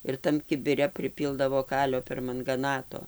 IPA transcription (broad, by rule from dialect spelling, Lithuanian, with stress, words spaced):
ɪr ˈtɐm kʲɪbʲɪˈrʲɛ pʲrʲɪˈpʲiːlˠdɐʋoː ˈkɑːlʲoː pʲɛrmɐŋɡɐˈnɑːtoː